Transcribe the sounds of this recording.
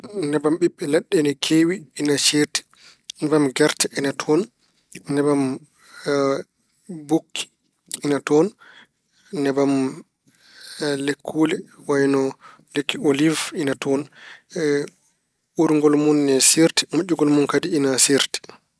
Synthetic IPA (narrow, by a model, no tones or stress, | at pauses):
nɛbamɓiɓːɛlaɗːɛnɛkʰeːwiːnat͡ʃeti̥ | nɛbamɡɛɾtɛɛnatʰɔn | nɛbam | bokʰːi̥ | inatɔn | nɛbam | lekʰːuːlɛwajnɔ | lekːiolivinatʰɔn | uɾuŋɡɔlmunːɛsiɾti̥mad͡ʒuɡɔlmunkadiinasiɾti̥